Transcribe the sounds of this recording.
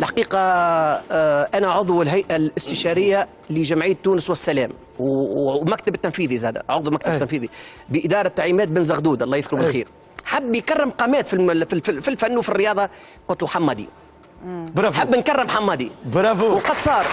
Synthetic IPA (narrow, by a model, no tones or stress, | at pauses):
ɪlħḁqiːqɑ | ʔænæʕʊðˤwɪlɦajʔalɪst̪ɪʃɑːɾɪjːa | lɪʒamʕijːt̪ːuːnɪswɪsːælɛːm | wmækt̪abt̪ːanfiːðizæːd̪æ̰ʕʊdðˤumæk̚t̪abbtt̪ːænfiːði | bəʔɪd̪ɑːɾˤɑt̪ːaʕliːmɛːt̪̚bɪnzaɣd̪uːd̪ʔɑlˤːɑːjɪðkʊɾbɪllxiːɾ | ħabːjkarːɪmqɑːmɛːt̪fiffilfanːwfirːɪjɑːðˤɑ | qʊt̪luħamːɑd̪ḭ | bɾɑħabːnkarːɪmħamːɑd̪ibɾɑwqɑd̪sˤɑːɾˤ